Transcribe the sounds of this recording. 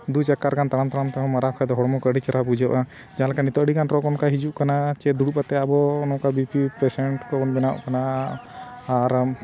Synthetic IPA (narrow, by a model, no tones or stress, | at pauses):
d̪ud͡ʒakaɾɡant̪ãant̪aɾant̪akɔmaɾakʰajd̪ɔɦɔɽɔmɔkəɽit͡ʃaɾabud͡ʒɔʔa | d͡ʒalakanit̪ɔʔɽikanɾɔkɔnkaɦid͡ʒuʔkanat͡ʃɛd̪uɽupat̪ɛabɔnɔkabipipɾɛsɛɳʈkɔɔnbɛnaʔkanaː | ɾ